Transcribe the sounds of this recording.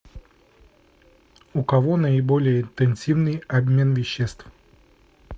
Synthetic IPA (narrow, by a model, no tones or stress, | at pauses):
ʊkɐvonəɪbolʲɪjəɪnt̪ɛnʲsʲivnɨjɐbmʲe̞nvʲɪɕːest̪f